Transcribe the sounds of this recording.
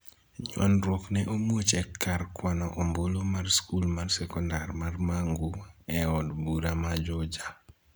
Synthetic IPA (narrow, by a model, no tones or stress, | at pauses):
ɲwɔ̰nɾɔknɛʔomwot͡ʃɛkːaɾkwanɔʔɔmbolomarskulmarsɛkɔndarmarmaŋɡuɛɔdbuɾamad͡ʒɔd͡ʒa